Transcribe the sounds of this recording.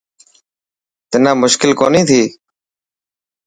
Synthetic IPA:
t̪ɪnãːmʊʃkɪlkoːniːt̪ʰiː

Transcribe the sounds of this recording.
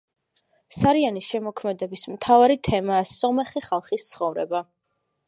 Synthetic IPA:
saɾianisʃɛmɔkʰmɛd̪ɛbismt̪ʰavaɾit̪ʰɛmaːsɔmɛχiχalˠχist̪sʰχɔvɾɛ̰ba

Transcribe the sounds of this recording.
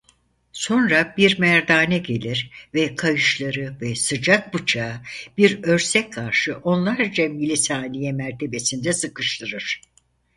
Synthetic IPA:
so̞nɾabiɾmæɾd̪aːnɛɟe̞lʲiɾvɛkʰajɯʃlˠaɾɯvɛsɯd͡ʒak̚bɯt͡ʃʰaːb̥iɾø̞ɾsɛckʰːaɾʃɯʔo̞nlˠaɾd͡ʒamilʲisaːnʲijɛmæɾt̪ʰe̞be̞sind̪ɛsɯkɯʃt̪ˠɯɾɯɾ̥

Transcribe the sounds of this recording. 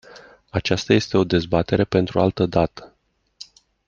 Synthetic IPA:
at͡ʃast̪aje̞st̪e̞o̞d̪e̞zbat̪e̞ɾe̞pe̞nt̪ɾua̰lt̪əd̪at̪ə̥

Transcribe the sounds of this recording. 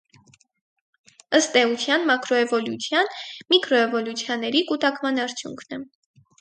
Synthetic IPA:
əst̪ɛut͡sʰjɑnmɑkʰɾɔɛvɔljut͡sʰjɑnmikʰɾɔɛvɔljut͡sʰjɑnːɛɾikut̪ɑkmɑnɑɾt͡sʰjṵŋkʰnɛ

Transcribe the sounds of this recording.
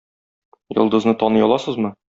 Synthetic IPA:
jɤ̰̆lˠd̪ɤ̆znɤt̪ɒnɤjɒlˠɑsɤzmɤ

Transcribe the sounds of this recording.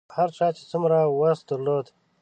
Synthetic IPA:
haɾt͡ʃɑːt͡ʃe̥t͡sumɾawasd̪əɾloːd̪

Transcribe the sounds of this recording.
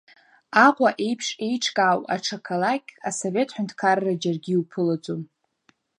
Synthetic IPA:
aqʷʼaʔejpʰʂe̞jʈ͡ʂʰkʼaːwʼa̰ʈ͡ʂʰakʰalakʲaso̞ve̞tʰħʷᶣʊntʰkʰarrad͡ʒarɡʲiupʰɨlat͡sʷʼum

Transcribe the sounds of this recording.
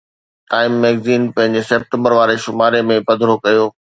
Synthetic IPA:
ʈaːɪmːɛːɡziːnpɐ̃ɦɪ̃ɲd͡ʑeseːp̚ʈə̃mbəɾʋaːɾeʃʊmaːɾemẽpɐd̪ʱɾokɐjoː

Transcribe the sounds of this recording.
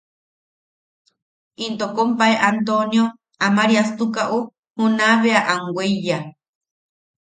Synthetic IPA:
int̪okompaeʔant̪onjo | amaɾiast̪ukaʔu | hunaβeaʔaŋɡweija

